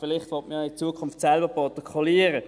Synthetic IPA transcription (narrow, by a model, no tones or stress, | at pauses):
fɪlɪχtʋɔtməjɪt͡suəkʰʊnftsɛlbəpɑtɔkʰɔliəɾə